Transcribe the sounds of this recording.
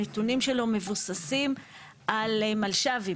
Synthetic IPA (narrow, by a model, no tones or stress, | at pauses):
etunimʃelo̞me̞vusasim | ʔalmalʃavi